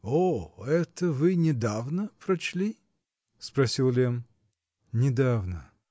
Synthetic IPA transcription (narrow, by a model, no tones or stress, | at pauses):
oɛt̪əvɨnʲɪd̪avnəpɾɐt͡ɕlʲi | spɾɐsʲilˠlʲem | nʲɪd̪avnə